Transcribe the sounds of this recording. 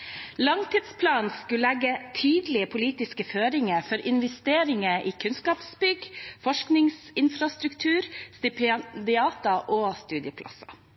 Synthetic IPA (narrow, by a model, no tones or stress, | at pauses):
lɑŋt̪ɪd̪spʰlɑːnskʉlɛɡət̪ʰyːd̪lɪəpʰʊliːt̪ɪskəføːɾɪŋəɾfɔɾʔɪnʋɛst̪eːɾɪŋəɾʔiːkʰʉnskɑːpsbʏɡfɔʂknɪŋsɪnfɾɑst̪ɾʉkt̪ʰʉːɾst̪ɪpd̪ɪɑːt̪ɑʔoːst̪ʉːd̪ɪəpʰlɑ̰sɑ̰